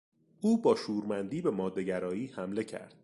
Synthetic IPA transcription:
uːbɒːʃuːɾmænd̪iːbe̞mɒːd̪ːeɟæɾɒːiːhæmle̞cʰæ̰ɾd̪̥̚

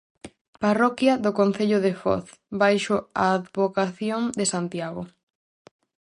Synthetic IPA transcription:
parɔkjɐðʊkon̟θeʎʊðefɔ̰θ | bajʃʊaːðβokaθjoŋd̪esant̪jaɣʊ̰

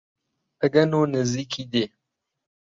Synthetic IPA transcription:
əɡɐnonəzikid̪e

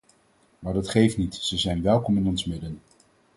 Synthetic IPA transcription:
maːɹdɑtχejftnitz̥əzɛjnʋɛlˠkɔmɪnɔnsmɪdən

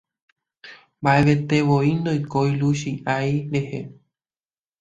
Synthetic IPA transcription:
mbaʔe̞ʋe̞t̪e̞ʋoind̪ojkojluʃiʔajɾe̞he

